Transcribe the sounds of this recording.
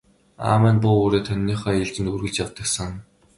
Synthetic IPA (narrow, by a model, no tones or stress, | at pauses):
a̰ːmæːnpʊːuːɾeːt̪ʰœnʲːiːχɔːiɮt͡ɕ̪ɘ̆nt̪urɣɘ̆ɮt͡ɕjawt̪ə̆ksə̆ŋ